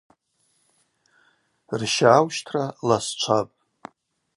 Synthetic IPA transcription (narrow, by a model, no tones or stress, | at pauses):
rʃaːwʃtʰralast͡ʃʷʰapʼ